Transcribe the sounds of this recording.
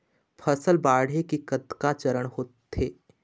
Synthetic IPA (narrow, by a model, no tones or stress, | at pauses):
pʰəsəlbaːɽ̤ekikəd̪kat͡ʃəɾəɽhoːt̪ːeː